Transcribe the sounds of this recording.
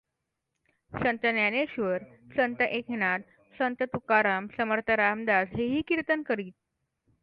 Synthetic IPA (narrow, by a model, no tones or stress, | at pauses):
sənt̪ənjaneɕʋəɾsənt̪əʔekʰnaɽ | sənt̪ət̪ukaɾamsəməɾt̪ʰəɾamd̪asɦeɦiːkiɾt̪ənkəɾiːt̪̚